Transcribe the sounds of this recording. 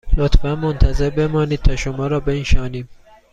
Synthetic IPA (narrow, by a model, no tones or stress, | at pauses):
lot̪fænmont̪ʰæze̞ɾbe̞mɒːniːd̪̚t̪ʰɒːʃomɒːɾɒːbenʃɒːniːm